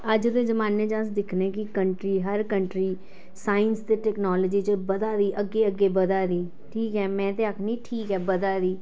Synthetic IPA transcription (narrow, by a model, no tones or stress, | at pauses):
əd͡ʒd̪ẽːzəmaːneːd͡ʒãːsd̪ɪkʰneːkɪkəɳʈɾiːɦəɾkəɳʈɾiː | saːənst̪eːʈɛːknɔːləːd͡ʒiːt͡ʃəbəd̪aːd̪iːʔəɡːeːəɡːeːbəd̪aːd̪iː | ʈʰiːkɦɛːmɛ̃ːt̪eːakʰniːʈʰiːkɛːbəd̪aːd̪iː